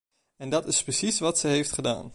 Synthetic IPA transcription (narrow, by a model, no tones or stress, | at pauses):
ɛndɑtɪsprəsisʋɑtsəjɦejftχəda̰ːn